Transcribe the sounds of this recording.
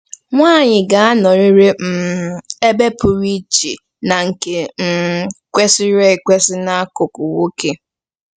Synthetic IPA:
ŋʷaː˦˨ɲɪ˨ɡa˨a˦nɔ˨ɾɪ˦ɾe˦m̩˨e˦be˦pʊ˨ɾi˦t͡ʃi˨ | na˨ŋ̩˨ke˨m̩˦kʷe˦sɪ˦ɾe˦˨kʷe˦sɪ˦na˦a˦kʊ˨kʊ˨wo˦ke˦

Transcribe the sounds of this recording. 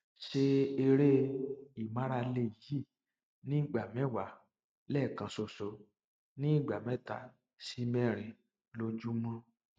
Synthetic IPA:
ʃe˦e˧ɾe˦i˨mã˦ɾa˧le˧˨ji˦˨ | nĩ˨˦˨ɡ͡ba˨mɛ̃˨˦wa˨ | lɛ˦˨kã˧so˧˨so˧ | nĩ˦i˦˨ɡ͡ba˨mɛ̃˨˦ta̰˨ | si˧mɛ̃˦˨ɾ̃ĩ˨ | lo˧d͡ʒu˦mɔ̃˦

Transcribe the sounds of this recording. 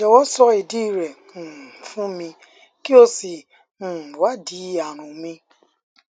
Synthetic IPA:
ɔ˨wɔ˦sɔ˦e˨di˦˨ɾe˨ | fũ˦mĩ˧ | ki˦o˦si˨ | n̩˨wa˦di˨˦a˨ɾ̃ʊ̃˨mĩ˦

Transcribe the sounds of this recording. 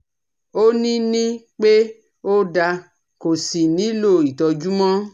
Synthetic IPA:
o˦nĩ˦nĩ˦k͡pe˦ | o˦da˧ | ko˨si˨nĩ˨˦lo˦˨i˨tɔ˧d͡ʒu˦mɔ̃˦

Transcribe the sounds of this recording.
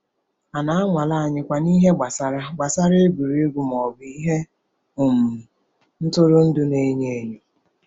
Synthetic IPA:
a˨na˦a˦ŋʷa˨la˦a˨ɲɪ˦kʷa˨ni˦ɦe˦ɡ͡ba˨sa˨ɾa˦ɡ͡ba˨sa˦ɾe˦ɡʷu˨ɾi˦e˦ɡu˨m˨ɔ˨bi˦ɦe˦ | ʊ˨m̩˨ | n̩˦tʊ˦ɾʊ˦n̩˦dʊ˦ne˦ɲe˦˨ɲe˨

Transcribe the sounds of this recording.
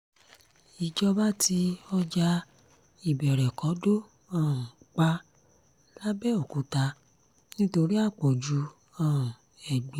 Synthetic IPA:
i˨d͡ʒɔ˧ba˦tʰi˧ɔ˧d͡ʒa˧ | i˨bɛ˨ɾɛ˨kɔ̃˨˦do˦ | ã˦˨k͡pa˦ | la˦bɛ˦o˨ku˨˦ta˧˦ | nĩ˦to˧ɾi˦a˦˨k͡po˨d͡ʒu˨˦ | ã˦˨ | ɛ˨ɡ͡bi˨˦

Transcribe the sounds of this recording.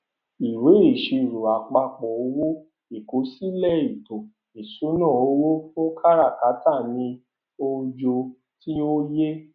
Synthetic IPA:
i˨we˨˦e˨ʃi˨˧ɾu˨a˨k͡pa˧k͡pɔ˨o˧˦wo˦ | e˨ko˨˦si˦lɛ˦˨i˨to˨ | i˨su˨˦nã˦˨o˧˦wo˦fũ˦kʰa˦ɾa˦˨ka˨˦ta˦˨nĩ˧ | o˧d͡ʒo˧ | ti˦o˦je˦

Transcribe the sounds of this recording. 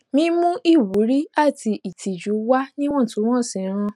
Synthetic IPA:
mĩ˦mũ˦i˦˨wu˨˦ɾi˦a˦˨tʰi˧ʔi˨tʰi˨d͡ʒu˨˦wa˦nĩ˦w̃ɔ̃˦˨tũ˨˦w̃ɔ̃˦˨sĩ˨˦ɾ̃ã˧

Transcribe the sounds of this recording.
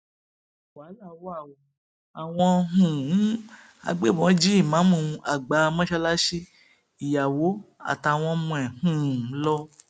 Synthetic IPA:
wa˨˦la˦˨˦wa˦˨wo˨˧ | a˨w̃ɔ̃˧ɦũ˨˦ | a̰˧ɡ͡be˦˨mɔ̃˨˦d͡ʒi˦i˦˨mã˨˦mũ˧a˨ɡ͡ba˨˦˧mɔ̃˦ʃɛ˧la˦ʃe˦ | i˨ja˨wo˨˦a̰˦˨ta˧˨w̃ɔ̃˧mũ˧ɛ˨hũ˦˨˦lɔ˦

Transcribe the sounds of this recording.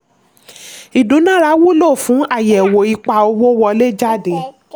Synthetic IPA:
i˨dũ˨˦nã˦˨ɾa˧˦wu˦lo˦˨fũ˨˦a˦˨jɛ˨wo˨i˧k͡pa˧o˧wo˦wɔ˧le˦˨d͡ʒa˦˨de˨

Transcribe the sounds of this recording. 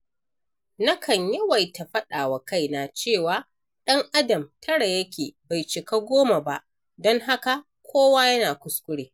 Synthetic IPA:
nɐ˦kʰɐ˨ɲjɐ˦wɐ˨jta˨ɸɐ˦ɗaː˨wa˨ka˦˨jnaː˨t͡ʃeː˦˨waː˦ | ɗɐ˦ŋʔa˦dɐ˨mtʰɐ˦ɽa˨jɐ˦kʲʰeː˨ba˨jt͡ʃɪ˨ka˦ɡʷoː˦ma˨ba˦ʔ | dɔ˦ŋɦa˦ka˨ | kʷʰoː˦waː˦jɐ˦naː˨kʷʊ˦skʷʼʊ˦ɽeː˨

